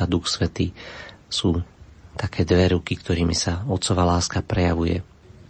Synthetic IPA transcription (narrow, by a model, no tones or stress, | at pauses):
ad̪uxsʋɛt̪iːsuːt̪akʰɛːd̪ʋɛɾukikt̪ɔɾiːmisaɔt̪sɔʋaːlaːskapɾɛjaʋujɛ̰